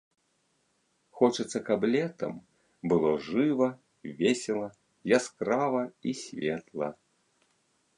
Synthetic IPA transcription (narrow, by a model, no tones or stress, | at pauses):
xɔt͡ʂɨt̪sːɐkɐblʲɛt̪ɐ̰m | bɨlˠɔʐɨvɐ | vʲesʲɛlˠɐ | jaskɾavɐisʲvʲɛt̪lˠɐ̰